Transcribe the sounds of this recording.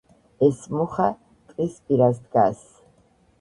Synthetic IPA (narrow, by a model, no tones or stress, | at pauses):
ɛsmuχa | t̪ʼispʼiɾasd̪ɡa̰s